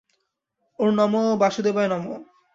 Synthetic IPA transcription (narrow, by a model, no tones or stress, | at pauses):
uɾnɔmobaʃud̪ebanɔmo